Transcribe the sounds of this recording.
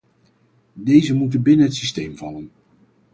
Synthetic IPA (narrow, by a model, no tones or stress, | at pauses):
dejzəmutənbɪnənɦətsistejmvɑlən